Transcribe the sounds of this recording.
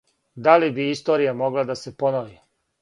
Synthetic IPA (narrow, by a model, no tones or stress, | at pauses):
d̪alibiist̪o̞ːɾijamo̞ɡlˠad̪ase̞po̞noʋi